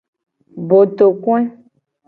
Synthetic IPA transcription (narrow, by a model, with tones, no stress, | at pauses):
bo˨t̪o˨kũ˦e˦